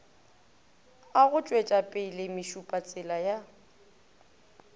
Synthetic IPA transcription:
aɣʊt͡ʃʼwet͡ʃʼapʼɪlɪmɪʃupʼat͡sʼɪlaja

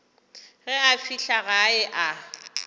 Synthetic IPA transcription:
ɣɛafiɬaɣaɪʔa

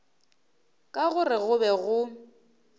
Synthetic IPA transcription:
kʼaɣʊrɪɣʊbɛɣʊ

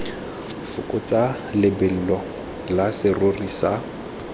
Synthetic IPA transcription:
fʊkʼʊt͡sa | lɪbɛl̩lɔ | lasɪrorisa

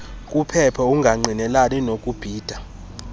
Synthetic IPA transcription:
kʼupʰɛpʰauŋɡʱaŋ͡ǀʱinɛlaninokʼub̥ʱiːd̥ʱa

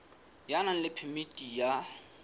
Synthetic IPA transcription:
janan̩lɪpʰɪmitʼija

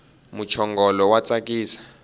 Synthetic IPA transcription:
mut͡ʃʰɔŋɡɔlɔwat͡sʼak̬ʼiːsḁ

